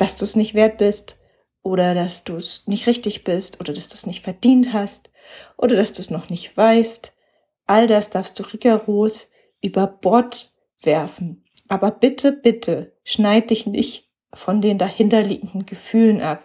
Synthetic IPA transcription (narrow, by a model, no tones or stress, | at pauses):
d̥asd̥uːsnɪçtv̥eːɐt̚b̥ɪst | ʔoːɾɐdasd̥uːsnɪçtʁɪçtɪçb̥ɪstʔoːdɐdasd̥uːsnɪçtfɛɐd̥iːnthast | ʔo̰ːɾɐdasd̥uːsnɔχnɪçtv̥aɪst | ʔaldasd̥aɐfstd̥uːʁiɡɐʁoːs | ʔyːbɐb̥ɔɐt | v̥ɛɐfn̩ | ʔaːbɐb̥ɪtʰəb̥ɪtʰə | ʃnaɪdəd̥ɪçnɪ̰çt | fɔndeːndahɪntɐlḭːɡŋ̩dn̩ɡəfyːlənʔap̚